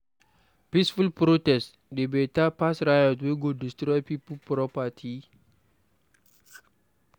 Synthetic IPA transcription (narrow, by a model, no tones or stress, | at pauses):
pisfulpɾotɛs | debetapasɾajɔtweɡodistɾɔjpipəlpɾɔpatʰi